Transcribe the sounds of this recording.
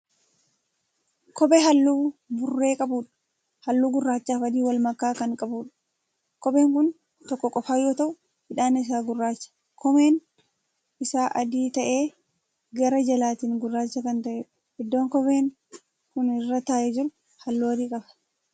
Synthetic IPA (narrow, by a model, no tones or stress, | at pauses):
kɔbeɦɐlːuːbʊrːe̞ːkʼɐbuːᶑɐ̥ | hɐlːuːɡʊrːaːt͡ʃːaːfɐd̪iːwɐlmɐkːaːkɐŋkʼɐbuːᶑɐ̥ | kɔbe̞ːŋkʊn | t̪ɔkːɔkʼɔfaːjːoːt̪ɐʔʊ | hɪᶑaːnɐɪs̬aːɡʊrːaːt͡ʃːɐ̥ | kɔme̞ːn | ɪsaːʔɐd̪iːt̪ɐʔe̞ː | ɡɐɾɐd͡ʒɐlaːt̪iːŋɡʊrːaːt͡ʃːɐkɐnt̪ɐʔeːᶑ | ɪd̪ːo̞ːŋkɔbeːŋ | kʊnɪrːɐt̪aːʔɛd͡ʒɪɾʊ | hɐlːoːɐd̪iːkʼɐbɐ̥